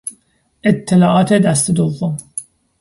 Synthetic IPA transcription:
ʔet̪ʰːelɒːʔɒːt̪ʰed̪æst̪ed̪ovːom

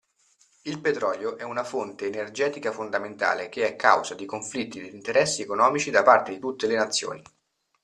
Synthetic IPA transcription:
ilpet̪ɾɔːljoʔɛunafont̪eːnerd͡ʒɛːt̪ikafond̪ament̪a̰ːlek̟eɛkːa̰wzad̪ikoɱflit̪ːid̪eint̪eɾɛsːiekonɔːmit͡ʃid̪apart̪ed̪it̪ut̪ːelenat̪sːjo̰ːni

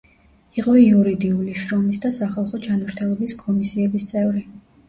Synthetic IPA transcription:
iqʼɔiuɾid̪iuliʃɾɔmisd̪asaχalˠχɔd͡ʒanmɾt̪ʰɛlˠɔbiskʼɔmisiɛbist̪sʼɛvɾi

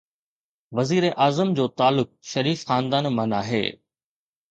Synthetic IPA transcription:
ʋɐziːɾeʔaːzəmd͡ʑoːt̪aːlːʊk̚ʃɐɾiːfxãːnd̪aːnmɐ̃naːɦḛː

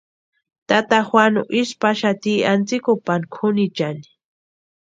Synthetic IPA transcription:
t̪at̪axwanoʔispaʃat̪iant͡sikopankʰʊnit͡ʃani̥

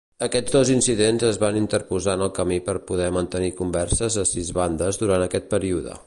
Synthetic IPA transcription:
əkɛzd̪ozinsiðenzəzβanint̪əɾpuzaənəlˠkəmipəɾpuðɛmənt̪ənikumbɛrsəzəsizβand̪əzðuɾant̪əkɛt̪̚pəɾiuðə̰

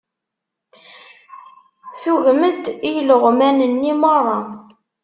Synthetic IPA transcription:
θuɣməd̪ijləʁmænənːimərˤːɑ

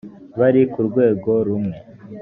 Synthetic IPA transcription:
βaɾikuɾɡwe̞ːɡo̞ɾumŋe̞

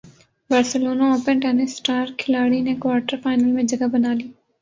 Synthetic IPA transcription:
bəɾsəloːnaoːpə̃nʈɛːnɪsʈaːɾkʰɪlaːɽinekwaːɾʈəɾfaːɪnəlmẽd͡ʒɐɡabɐnaːliː

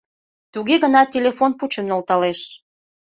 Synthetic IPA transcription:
t̪uɣeɣənɑtʲelʲefonput͡ɕəmnŏlt̪ɑleʃ

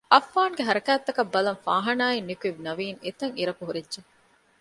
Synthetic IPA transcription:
ʔɐfːaːŋɡeɦɐɾɐkæːt̪ːɐkɐbːɐlɐŋfa̰ːɦɐnaːinːikuiʋnɐʋiːŋet̪ɐŋiɾɐkuɦuɾidʒe

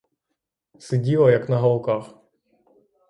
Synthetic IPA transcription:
sɪdʲilˠɐjɐknɐɦɐlˠkɑx

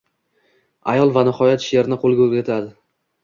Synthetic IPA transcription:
ajɒlˠvanɪhɒjat̪ʃeɾnɪqʰolˠɡʲaɵɾɡʲat̪ʰad̪ɪ

